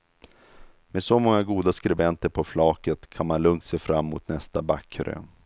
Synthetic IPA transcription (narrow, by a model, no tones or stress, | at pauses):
med̪sɔmɔŋːaɡuːd̪askɾɛbɛnt̪əɾpʰɔflɑːkət̪kʰanmanlɵŋt̪seːfɾamːʊ̰t̪nɛst̪abakʰːɾø̰